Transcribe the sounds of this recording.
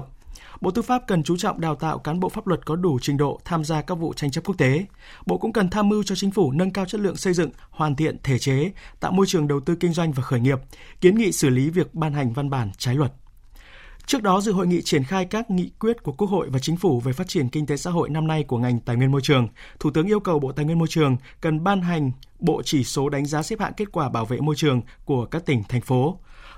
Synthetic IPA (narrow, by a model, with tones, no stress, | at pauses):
ɓo̰˧˨t̪ɨ˧faː˦˥p̚kə˨˩nt͡ɕu˨˦t͡ɕɔ̰˧˨ŋ͡mɗaː˨˩wt̪a̰ː˧˨wkaː˨˦nɓo̰˧˨faː˦˥p̚lwə˨˩t̚kɔ˨˦ɗu˧˩t͡ɕï˨˦ŋ̟ɗo̰˧˨t̪ʰaː˧mzaː˧kaː˦˥k̚vṵ˧˨t͡ɕa˧jŋ̟t͡ɕa˦˥p̚ku˦˥ək̚t̪e˨˦ | ɓo̰˧˨kʊ̰˧˥ŋ͡mkə˨˩nt̪ʰaː˧mɨ˧wt͡ɕɔ˧t͡ɕï˨˦ŋ̟fu˧˩nə˧nkaː˧wt͡ɕə˦˥t̚lɨ̰˧˨əŋsə˧jzɨ̰˧˨ŋ | hwaː˨˩nt̪ḭ˧˨ənt̪ʰe˧˩t͡ɕe˨˦t̪a̰ː˧˨wmo˧jt͡ɕɨ˨˩əŋɗə˨˩wt̪ɨ˧kï˧ŋ̟zwa˧jŋ̟vaː˨˩xəː˧˩jŋi˨˩əp̚ki˨˦ənŋḭ˧˨sɨ˧˩li˨˦vi˨˩ək̚ɓaː˧nɦa˨˩jŋ̟va˧nɓaː˧˩nt͡ɕaː˨˦jlwə˨˩t̚ | t͡ɕɨ˦˥ək̚ɗɔ˨˦zɨ̰˧˨ɦo̰˧˨jŋḭ˧˨t͡ɕi˧˩ənxaː˧jkaː˦˥k̚ŋḭ˧˨kwi˦˥ət̚ku˧˩əkːu˦˥ək̚ho̰˧˨jvaː˨˩t͡ɕï˨˦ŋ̟fu˧˩ve˨˩faː˦˥t̚t͡ɕi˧˩ənkï˧ŋ̟t̪e˨˦sa̰ː˧˥ɦo̰˧˨jna˧mna˧jku˧˩əŋa˨˩jŋ̟t̪aː˨˩jŋwi˧ənmo˧jt͡ɕɨ˨˩əŋt̪ʰu˧˩t̪ɨ˨˦əŋi˧əwkə˨˩wɓo̰˧˨t̪aː˨jŋwi˧ə˧mo˧jt͡ɕɨ˨˩əŋ | kə˨˩nɓaː˧nɦa˨˩jŋ̟ | ɓo̰˧˨t͡ɕi˧˩so˨˦ɗa˨˦jŋ̟zaː˨˦sɛ˦˥p̚ha̰ː˧˨nke˦˥t̚kwaː˧˩ɓaː˧˩wvḛ˧˨mo˧jt͡ɕɨ˨˩əŋku˧˩əkaː˦˥k̚t̪ï˧˩ŋ̟t̪ʰjŋ̟fo˨˦